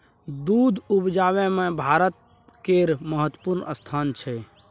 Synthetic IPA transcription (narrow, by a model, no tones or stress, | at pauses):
d̪ud̪ʱubd͡ʒaːbemẽbʱaːɾət̪̚ | keɾməɦət̪ːəpuɾnʔə̰st̪ʰaːnt͡ʃʰɛ